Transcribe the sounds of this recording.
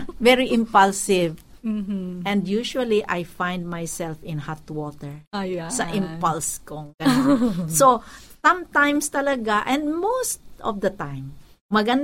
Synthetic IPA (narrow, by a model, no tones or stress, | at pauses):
vɛɹiʔɪ̃mpɐlsɪv̩ | ɛ̃nd̪juʃuɐliʔajfãjnd̪̚majsɛlfɪ̃nhat̪wɔt̪ɛɹsɐʔɪ̃mpɐlskoŋkɐɲsosɐ̃mt̪ãjmst̪ɐlɐɡaʔɛ̃nd̪mowst̪ʔɔ̰fd̪ɐt̪ãjmː | ɐɡɐn